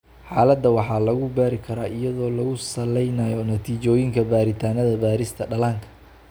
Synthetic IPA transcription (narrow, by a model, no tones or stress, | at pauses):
ħɑːlɐd̪ːɐwɑħɑːlɐɣʊbaːɾɪkʰɐɾaːɪjɐðɔːlɐɣʊsɐlɛjnɐjɔnɐt̪ʰiːt͡ʃɔːjɪŋkʰɐbaːɾɪt̪ʰaːnɐðɐbaːɾɪst̪ʰɐɖɐlaːŋkʰɐ̥